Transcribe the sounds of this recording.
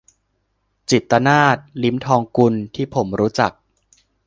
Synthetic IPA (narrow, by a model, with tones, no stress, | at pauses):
t͡ɕi˨˩t̪ːa˧naː˥˩t̪̚li˦˥mt̪ʰɔː˧ŋku˧nt̪ʰiː˥˩pʰo˩˦mɾuː˦˥t͡ɕa˨˩k̚